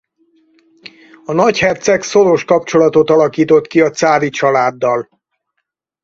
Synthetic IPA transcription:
ɒnɒchɛrt̪sɛkso̞ɾo̞ʃkɒp̚t͡ʃo̞lɒt̪o̞t̪ɒlɒkiːt̪o̞t̪kiɒt̪saːvit͡ʃɒlaːd̪ːɒl

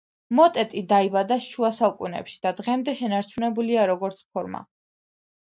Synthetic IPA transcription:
mɔt̪ʼɛt̪ʼid̪aibad̪aʃʃuasaukʼunɛ̰pʃi̥d̪̥ad̪ʁɛmd̪ɛʃɛnaɾt͡ʃʰunɛbuliaɾɔɡɔɾt̪sʰpʰɔɾma̰

